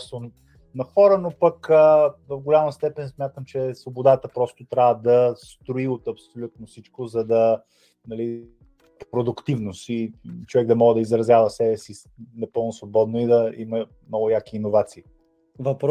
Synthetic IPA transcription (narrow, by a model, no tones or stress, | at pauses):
st̪o | nɐxɔɾənopəkəvɐvɡolʲaməst̪ɛpɛnsmʲjat̪əmt͡ʃɛsvobod̪at̪əpɾɔst̪ʊt̪ɾʲavəd̪ɐst̪ɾoiot̪ɐpsolʲut̪̚nofsit͡ʃkozɐd̪ɐ | nɐli | pɾod̪ʊkt̪ivnost̪it͡ʃovɛɡ̚d̪ɐmɔɡəd̪ɐizɾɐzʲjavɐsɛbɛsi | nɐpɤlˠnʊsvobɔd̪noid̪ɐimɐ | mnɔɡʊjakiːnovat̪siː | vɐpɾ